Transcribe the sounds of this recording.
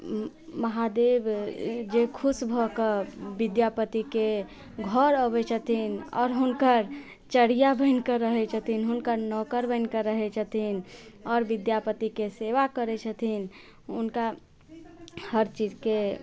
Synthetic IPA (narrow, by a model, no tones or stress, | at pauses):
məɦad̪ebd͡ʒekʰusbʱɔkəbid̪japət̪ike | ɡʱɔɾəbɛt͡ʃʰət̪ʰinɔ̰ːɾɦunkəɾ | t͡ʃəɽijabəɪnkəɾəɦɛt͡ʃʰət̪ʰinɦunkəɾnɔkəɾbə̃ɪnkəɾəɦɛt͡ʃʰət̪ʰinɔːɾʋid̪japət̪ikeseʋakəɾɛt͡ʃʰət̪ʰin | unka | həɾt͡ʃid͡ʒke